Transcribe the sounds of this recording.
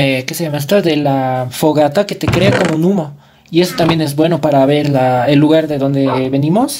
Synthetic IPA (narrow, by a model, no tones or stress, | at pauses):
ekeseʝamast̪oðe̞lafoɣat̪ake̞t̪e̞kɾe̞ako̞mounumo̞ | ie̞so̞t̪ambje̞ne̞zbwe̞no̞paɾaβe̞ɾlaelːuɣaɾðeðo̞nd̪eβe̞nĩmo̞s